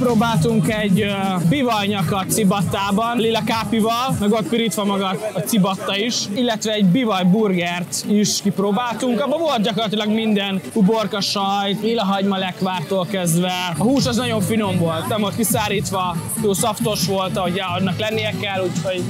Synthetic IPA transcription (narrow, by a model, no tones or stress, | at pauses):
pɾoːbaːlt̪uŋkɛɟbivɒjɲɒkɒt̪sibɒt̪ːaːbɒnlilɒkaːpivɒlmɛɡot̪̚piɾit̪ʋɒmɒɡɒt̪ɒt̪sibɒt̪ːɒiʃilːɛt̪ʋɛːɟbivɒjburɡɛrt̪iʃkipɾoːbaːlt̪uŋkɒbːɒvo̞lt̪̚dɟɒko̞rːɒt̪ilɒɡmind̪ɛnkuborkɒʃɒjlilɒɦɒɟmɒlɛkʋaːrt̪oːlkɛzd̪ʋɛɒhuːʃɒznɒɟo̞ɱfino̞mvo̞lt̪nɛmvo̞lt̪̚kisaːɾiːt̪ʋɒ | t̪oːsɒft̪o̞ʃʋo̞lt̪ɒɦo̞ɟɛɒd̪nɒklɛnːijɛkɛlːucho̞ɟ